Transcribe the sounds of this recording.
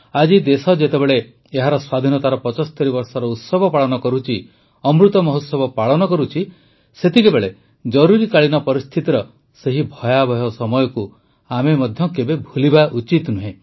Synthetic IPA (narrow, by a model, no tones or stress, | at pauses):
ad͡ʒid̪esɔd͡ʒet̪ebeɭe | eɦaɾɔswad̪ʱinɔt̪aɾɔpɔt͡ʃɔst̪ʰɔɾibɔɾsɔɾɔut̪sɔbʱɔpaɭɔnɔkɔɾut͡ʃʰi | ɔmɾut̪ɔmɔɦɔt̪sɔbɔpaɭɔnɔkɔɾut͡ʃʰi | set̪ikebeɭe | d͡ʒɔɾuɾikaɭinɔpɔɾist̪ʰit̪iɾɔ | seɦibʱɔjabʱɔjɔsɔmɔjɔku | amemɔd̪ʱjɔkebebʱulibaʔut͡ʃit̪nuɦẽ